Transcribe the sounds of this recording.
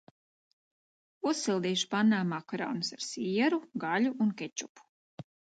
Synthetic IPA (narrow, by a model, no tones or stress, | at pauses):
usːilˠd̪iːʃpanːaːmakɾɔ̰ːnusaɾsiɛɾuɡalʲuʔunkɛt͡ʃupu̥